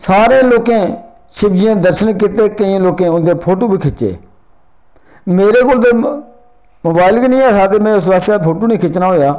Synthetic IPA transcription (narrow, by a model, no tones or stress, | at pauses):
saːɾẽːloːkẽː | ʃɪbd͡ʒɪjãːd̪əɾʃənk̬ɪt̪eːkəĩːloːkẽːʊnd̪eːpʰoːʈoːbʱiːkʰɪt͡ʃḛː | meːɾeːkoːld̪eː | moːbaːɪlknĩːaːsaːt̪eːmɛ̃ːʊs̬ʋaːst̪ːpʰoːʈoːnĩːkʰɪt͡ʃnaːɦoːjaː